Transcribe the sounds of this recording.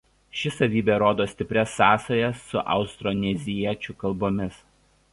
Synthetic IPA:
ʃʲɪsɐʋʲiːbʲɛɾoːd̪oːsʲt̪ʲɪpʲɾʲɛsːɑːsɐjɛsːʊʔɐ̰ʊst̪ɾɔːnʲɛzʲɪɛt͡ʃʲʊkɐlˠboːmʲɪs

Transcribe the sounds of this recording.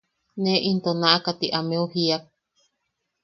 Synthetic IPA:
nẽʔint̪onãʔakat̪iʔamẽuhiak̚

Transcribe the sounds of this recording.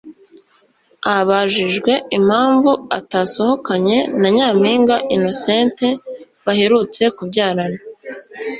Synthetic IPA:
aβaʒiʒɡwe̞im̥haːɱvua̰taːso̞ho̞kaɲe̞naɲaːmhiːŋɡaʔino̞seːnte̞ | βahe̞ɾut͡se̞kubɟaːɾana

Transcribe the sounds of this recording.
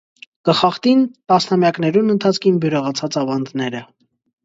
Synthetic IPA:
kəχɑχt̪int̪ɑsnɑmjɑknɛɾunənt̪ʰɑt͡sʰkʰinbjuɾəʁɑt͡sʰɑt͡sɑvɑnd̪nɛɾə

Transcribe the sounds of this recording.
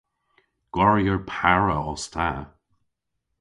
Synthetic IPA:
ɡ̥waɹjəɹpʰaɹəɔst̪ʰa̰

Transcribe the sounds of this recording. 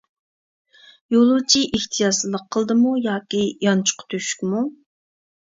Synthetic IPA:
jolˠut͡ʃʰiʔiht̪ʰijɑsllˠːəqʰːəlˠd̪ɨmujɑːkʲijɑnt͡ʃʰʊ̥qʰt̪ʰøʃy̥kʲmu

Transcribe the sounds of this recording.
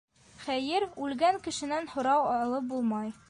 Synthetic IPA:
χæjɘɾʉlɡæŋkɘ̆ʃɘ̆nænhŏɾɑwɒlˠɤp̚bulˠmɑj

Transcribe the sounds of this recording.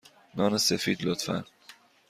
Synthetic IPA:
nɒːnesefiːd̪lot̪fæ̰n

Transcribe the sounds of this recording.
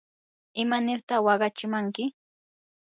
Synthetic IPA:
ɪmanɪɾt̪ɑχwɑɢɑt͡ʃɪmaŋkɪ

